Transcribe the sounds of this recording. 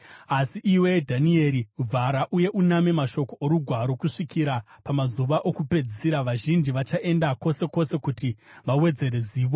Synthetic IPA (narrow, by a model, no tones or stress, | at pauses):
asiʔiwe̞dʱanie̞ɾivʱaɾaʔuje̞ʔuname̞maʃo̞koʔoɾuɡʱwaɾo̞kuʂikʰiɾa | pamazuʋaʔokupe̞d͡zisiɾaʋaʒind͡ʒiʋat͡ʃaʔe̞ndako̞se̞ko̞se̞kutiʋawe̞d͡ze̞ɾe̞ziːʋo̞